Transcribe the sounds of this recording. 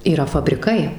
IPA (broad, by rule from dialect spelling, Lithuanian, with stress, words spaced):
iːˈrɐ fɐbʲrʲɪˈkɐɪ